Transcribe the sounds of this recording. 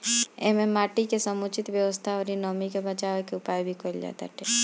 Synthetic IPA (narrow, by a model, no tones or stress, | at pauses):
eɦmẽmaʈikesəmut͡ʃit̪bjəʋəst̪ʰaɔɾinɔmikebət͡ʃaʋekeʊpaːjbʱikəld͡ʒa̰t̪a̰t̪ʰɛ